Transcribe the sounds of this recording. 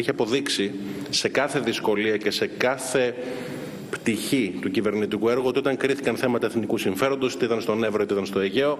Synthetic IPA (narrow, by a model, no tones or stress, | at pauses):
içiɐpo̞ðiksi | se̞kɐθe̞ðisko̞liɐce̞se̞kɐθe̞ | pt̪içit̪ucive̞ɾnit̪ikue̞ɾɣoot̪io̞t̪ɐŋkɾiθikɐnθe̞mɐt̪ɐeθnikusiɱfe̞ɾo̞nd̪ot̪iðɐnst̪o̞ne̞vɾoot̪iðɐnst̪o̞eʝe̞o̞